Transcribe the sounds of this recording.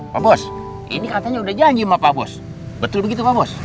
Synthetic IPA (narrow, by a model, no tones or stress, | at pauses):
pabɔs | ḭnikat̪aɲaudahd͡ʒaɲd͡ʒimapabɔ̰s | bət̪ʊlbəɡit̪upabɔs